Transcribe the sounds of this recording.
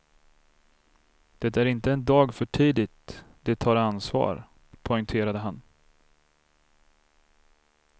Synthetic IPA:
d̪̥ɛt̪æɾɪnt̪əɛnd̪ɑːɡfœʈʰiːd̪ɪt̪d̪̥ɛt̪ʰɑːɾansvɑ̰ːɾ | pʰɔɪŋt̪ʰeːɾad̪əɦan

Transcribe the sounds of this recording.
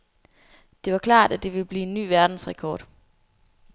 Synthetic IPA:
d̥e̝ʋɑ̈kʰlɑ̰̈ːd̥æd̥e̝ʋe̝lb̥liːe̝nːy̰ːʋæɐd̥n̩sʁɛkʰɒːd̥

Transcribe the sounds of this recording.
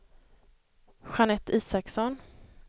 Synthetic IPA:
ɧanɛt̪ʰːiːsaksɔn

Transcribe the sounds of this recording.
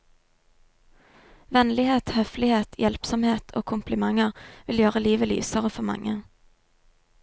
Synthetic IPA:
ʋɛnlɪheːt̪hœflɪheːt̪ʰjɛlpsɔmheːt̪ʰo̰ːkʰʊmplɪmɑŋəʁʋɪljøːʁəliːʋəly̰ːsəʁəfɔmɑ̰ŋə

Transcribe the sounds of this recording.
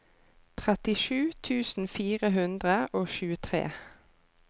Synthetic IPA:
t̪ʰʁɛt̪ɪʃʉːt̪ʰʉːsn̩fiːʁəɦʉnd̪ʁəʔoːʃʉːət̪ʰʁḛː

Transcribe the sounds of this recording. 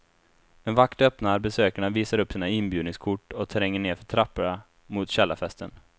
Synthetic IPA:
ɛnvakt̪œpnaɾbɛsøːkaɳaviːsaɾɵpːsiːnaɪnbjʉd̪nɪŋskʰʊʈːɔt̪ʰɾɛŋːəɳeːɾfœʈʰɾapːaɳa | mʊt̪ɕɛlːafɛst̪ʰən

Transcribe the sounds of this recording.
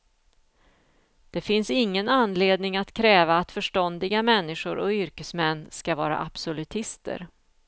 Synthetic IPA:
d̪̥ɛfɪnsɪŋːənanːleːd̪nɪŋat̪kʰɾɛːvaːt̪fœʂʈɔnd̪ɪɡamɛnːɪɧʊɾʔɔ̰ʏɾkəsmɛnːskavɑːɾa̰ʔapsɔlɵt̪ʰɪst̪ə̰ɾ

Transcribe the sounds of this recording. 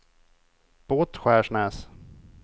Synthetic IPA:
b̥oːt̪ɧæːʂɳɛːs

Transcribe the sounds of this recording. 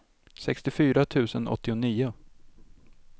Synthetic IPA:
sɛkst̪ɪfyːɾat̪ʰʉ̟ːsənʔɔ̰t̪ʰːɪʊniːʊ

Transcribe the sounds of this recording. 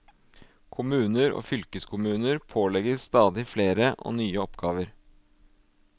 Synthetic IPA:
kʰʊmʉːnəɾo̰ːfʏlkəskʰʊmʉːnəɾpʰoːlɛɡəst̪ɑːd̪ɪfleːɾəʔo̰ːnyːəɔpɡɑːʋəɾ

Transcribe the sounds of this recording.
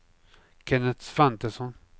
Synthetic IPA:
kʰɛnɛt̪sfant̪əsɔn

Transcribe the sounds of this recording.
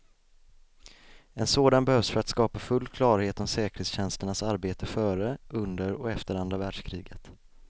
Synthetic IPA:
ɛnsoːd̪anbɛhœvsfœɾat̪skɑːpafɵlːkʰlɑːɾheːt̪ɔmsɛːkəɾ̥het̪sɕɛnst̪əɳasaɾbeːt̪ʰəfœːɾəʔɵnd̪əɾɔɛft̪əɾand̪ɾavæːɖʂkʰɾiːɡət̪

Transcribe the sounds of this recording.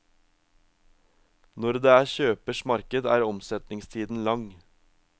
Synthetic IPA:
nɔɾd̪eːæːçøːpəʃmɑɾkəd̪æːɾɔmsɛt̪nɪŋst̪ʰiːd̪n̩lɑŋ

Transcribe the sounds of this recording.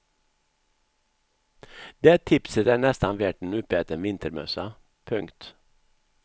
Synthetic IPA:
d̪eːt̪ʰɪpsət̪æːnɛst̪ɑnʋeːʈɳ̩ʉpəɛt̪əɾmʋɪnt̪əɾmœ̰sɑ | pʰʉŋkt̪

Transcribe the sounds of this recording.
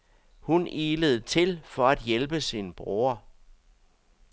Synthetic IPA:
hunʔiːləð̞̩ˠt͡sʰe̝lfɒ̽æd̥jelb̥əsinb̥ʁuːɐ

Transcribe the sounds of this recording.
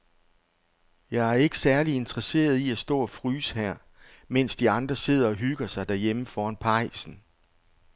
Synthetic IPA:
jɑ̈ɪæɐe̝ɡ̥ə̥sæɐlie̝nd̥ʁɐse̝̰ːɐð̞ˠiæsd̥ɔ̰̽ːɒfʁyːshæɐ̰ | men̰sd̥iɑ̈nd̥ʁɐse̝ð̞̰ˠɐɒ̽ɦyɡ̥ɐsɑ̈ɪd̥æɐjeməfɒːænpʰɑ̈ɪ̰sn̩

